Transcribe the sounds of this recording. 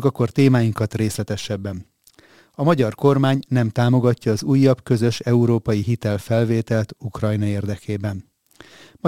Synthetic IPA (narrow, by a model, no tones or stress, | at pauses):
kɒkort̪eːmaːjiŋkɒt̪reːslɛt̪ɛʃɛbːɛn | ɒmɒɟɒrko̞rmaːɲnɛmt̪aːmo̞ɡɒcːɒːzuːjːɒbkø̞zø̞ʃɛuɾoːpɒjiɦit̪ɛlfɛlveːt̪ɛlɛt̪ukrɒjnɒeːrd̪ɛkʰeːbɛn | mɒ